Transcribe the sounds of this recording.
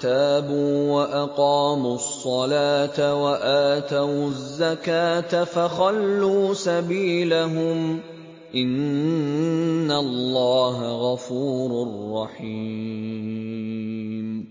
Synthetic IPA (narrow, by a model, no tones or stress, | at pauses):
t̪aːbuːwaʔɑqɑːmʊsˤːɑlaːt̪awaʔaːt̪awzːakaːt̪afaxɑlːuːsabiːlaɦʊm | ʔɪn | alːɑːɦaɣɑfuːɾrːɑħiː | m